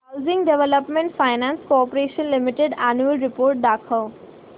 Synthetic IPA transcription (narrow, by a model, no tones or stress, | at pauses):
ɦaʊzɪ̃ŋɡɖeʋələpmẽɳʈfaɪnãnskoɔpɾeːʃənlɪmɪʈeɖanuəlɾɪpoːɾʈ̚d̪aːkʰəː